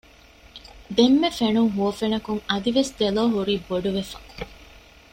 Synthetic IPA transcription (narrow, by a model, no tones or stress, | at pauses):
d̪emːefenuŋɦuɐfenɐkuŋɐd̪iʋesd̪eloːɦuɾiːboɖuʋefɐ